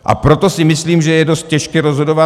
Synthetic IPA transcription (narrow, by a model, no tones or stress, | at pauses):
ʔa̰pɾo̞t̪o̞sɪmɪsliːmʒɛjɛdo̞st̪̚cɛʃkɛɾo̞zɦodo̞va